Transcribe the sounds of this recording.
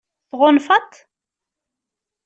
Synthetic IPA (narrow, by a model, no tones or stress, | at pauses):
θʁʊnfɑt̪